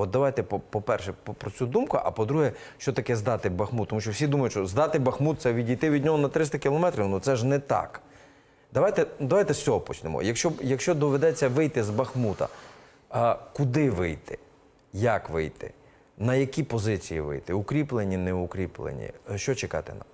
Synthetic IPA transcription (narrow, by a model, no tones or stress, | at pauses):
ɔt̪̚d̪ɐʋɑjt̪ɛpɔpɔpɛrʃɛppɾɔt͡sʲud̪umkʊ̰ʔɐ̰pɔd̪ɾuɦɛ | ʃt͡ʃɔt̪ɐkɛzd̪ɑt̪ɪbɐxmut̪ːɔmuʃt͡ʃɔwsʲid̪umɐjʊʃt͡ʃɔzd̪ɑt̪ɪbɐxmut̪̚sɛʋʲidʲijt̪ɪʋʲidʲnʲɔɦɔnɐt̪ɾɪst̪ɐkʲɪlˠɔmɛt̪ɾʲiwnɔt̪sɛʒnɛt̪ɑ̰k | d̪ɐʋɑjt̪ɛd̪ɐʋajt̪ɛsʲt͡sʲɔɦɔpɔt͡ʃnemɔ̰jɐkʃt͡ʃɔjɐkʃt͡ʃɔd̪ɔʋed̪ɛt͡sʲːɐʋɪjt̪ɪzbɐxmut̪ɐ̰ | kʊd̪ɪʋɪjt̪ɪ̰ | jakʋɪ̰jt̪ɪ̰ | nɐjɐkʲipɔzɪt͡sʲijḭʋɪ̰jt̪ɪʊkɾʲiplˠenʲːinɛʊkɾʲiplˠḛnʲḭʃt͡ʃɔt͡ʃekɑ̰t̪ɛ̰nɐ̰